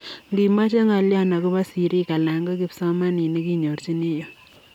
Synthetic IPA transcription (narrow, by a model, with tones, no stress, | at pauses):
ŋɡi˨ma˦t͡ʃe˦ŋa˨lja˦na˨ku˦ba˦si˨ɾi˦ka˨la˨ŋɡɔ˦ki˦psɔ˦ma˦ni˨ni˦ki˦ɲo˨ɾt͡ʃi˦ni˦jo˨